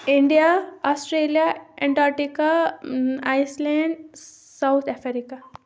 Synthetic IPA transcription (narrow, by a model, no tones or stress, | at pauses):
iɳɖijaɔsʈɾeːlijaɛ̃ɳʈaʈika | ajslɛ̃ɳɖ | sawt̪ʰɛfeɾika